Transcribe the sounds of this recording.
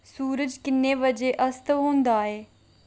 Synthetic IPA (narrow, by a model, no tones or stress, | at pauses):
suːɾəd͡ʒkɪnːeːʋəd͡ʒeːʔəst̪ɦoːnd̪aːeː